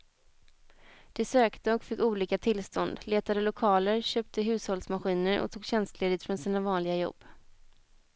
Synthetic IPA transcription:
d̪̥ɛsøːkt̪əɔkfɪkːuːliːkat̪ʰɪlst̪ɔnd̪leːt̪ad̪əlʊkʰɑːləɾɕøːp̚t̪ʰəɦʉ̟ːshɔlsmaɧiːnəɾʔɔ̰t̪ʰuːɡɕɛnst̪leːd̪ɪt̪fɾɔnsiːnavɑːnlɪɡajɔ̰bː

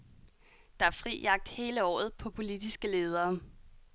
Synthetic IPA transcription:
d̥ɑ̈æɐfʁḭːjɑ̈ɡ̥̚d̥he̝ːləɒ̰ːð̞̩ˠpʰɒ̽pʰo̝lid̥isɡ̥əle̝ːð̞ˠɐː

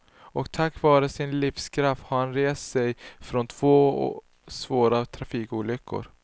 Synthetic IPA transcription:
ɔkt̪ʰakːvɑːɾəsɪnlifskʰɾaft̪haɾhanɾeːst̪sɛjfɾɔnt̪ʰv̥oː | svoːɾat̪ʰɾafiːkuːlʏkʰːʊ̰ɾ

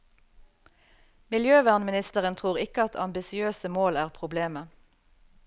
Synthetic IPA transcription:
mɪljøːʋæːʁnmɪnɪst̪əʁənt̪ʰʁuːʁɪkəɑt̪ʰɑ̰mbɪsɪøːsəmoːlæːʁpʰʁʊbleːmə

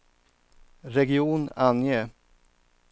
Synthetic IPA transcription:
ɾɛɡɪuːnanjə

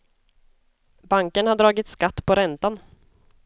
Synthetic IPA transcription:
baŋkənhad̪ɾɑːɡɪt̪skat̪ːpʰɔɾɛnt̪an

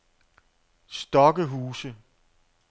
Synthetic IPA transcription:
sd̥ɒ̽ɡ̥əɦuːsə

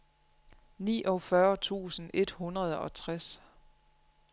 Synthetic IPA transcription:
nḭːʔɒ̽fɶɐt͡sʰṵːsn̩e̝d̥hunʁɐð̞̩ˠɒ̽t͡sʰʁas

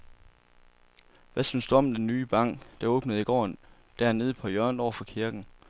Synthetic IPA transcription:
ʋʔæsynsd̥uɒ̽md̥enːyːb̥ɑ̈ŋ̰d̥ɑ̈ɔːb̥nəð̩ˠiɡ̥ɒ̰ːn | d̥æɐne̝ːð̞ˠpʰɒ̽jœɐndɒʊ̰ɐfɒ̽kʰiɐɡ̥n̩

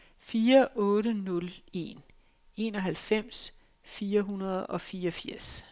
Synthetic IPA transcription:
fiːɐʔɔ̽ːɾənɔ̽le̝̰n | e̝nɒ̽ɦælfem̰s | fiːɐɦunɐð̞̩ˠɒ̽fiːɒfiɐ̰s

